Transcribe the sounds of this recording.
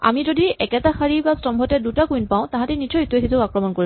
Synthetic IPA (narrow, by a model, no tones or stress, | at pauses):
a̰mizodiɛkɛtaxaɹibastɔmbʱɔtɛdutakujnpãw̃tãɦãtɛnid͡ʒɔjitesʰizʊakɹɔmɔnkoɹi